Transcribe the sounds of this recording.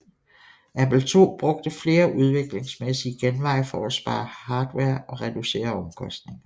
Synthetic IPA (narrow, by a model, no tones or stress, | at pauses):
ʔæpl̩t͡sʰo̝̰ːb̥ʁɔ̽ɡ̥̚d̥əfle̝ːɐʔuð̞ˠʋe̝ɡ̥le̝ŋsmesiɡ̥enʋɑ̈ɪfɒæsb̥ɑ̰̈ːhɑ̈ːd̥weɐ̰ɒ̽ʁɛd̥use̝̰ːɐɒ̽mkʰɒ̽sd̥ne̝ŋɐ